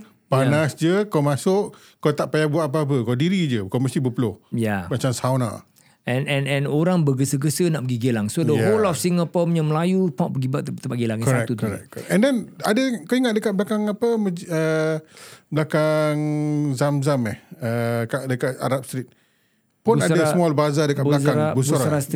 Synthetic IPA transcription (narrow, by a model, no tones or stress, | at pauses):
panasd͡ʒəkɔmasʊʔ | kot̪aʔpajabuaʔap̬aap̬əkɔdiɾid͡ʒəkɔməst̪ibəpəlʊhjamat͡ʃamsawna̰ʔ | ɛnɛnɛ̃noɾaŋbəɡəsəɡəsənaʔpəɡiɡəlaŋsodəɦolɔfsiŋapɔməɲəməlajupãʔpəɡibaʔt̪t̪əpaɡilaŋɪkʔsat̪ut̪ɾɛ̰kɔɛʔɛ̃ndɛnadəkaiŋat̪̚dəkat̪̚blakaŋapəməə | blakaŋzamzamɛhəkaʔdəkat̪̚a̰ɾap̚st̪ɾit̪̚ | puunasdəasmɔlbaazadəkatbulasaɾabusbuaɾas